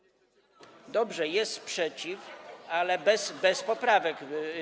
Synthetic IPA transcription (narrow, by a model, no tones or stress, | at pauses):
d̪ɔbʐɛjɛst̪pʂɛt͡ɕifalɛbɛsbɛspɔpɾavɛɡ